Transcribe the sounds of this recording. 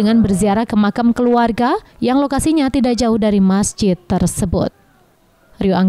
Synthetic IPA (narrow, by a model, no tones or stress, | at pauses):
əŋanbərziaɾahkəmakamkəluarɡajaŋlokasiɲat̪idaʔk̚d͡ʒaʊhdaɾimasd͡ʒɪt̪ːərsəbʊ̰t̪̚ | rioʔaŋ